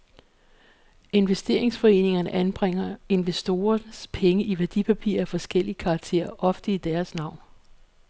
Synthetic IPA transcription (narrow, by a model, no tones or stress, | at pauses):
e̝nʋesd̥e̝ɐ̰e̝ŋsfɒ̽e̝̰ːne̝ŋɐnəʔænb̥ʁeŋ̰ɐe̝nʋesd̥o̝ːɐnspʰeŋəiʋæɐd̥ipʰæpʰḭɐæfɒ̽sɡ̥el̰iəkʰɑ̈ːɡ̥t͡sʰe̝̰ːɐʔɒ̽fd̥əid̥æɐsnɑ̈ʊ̰n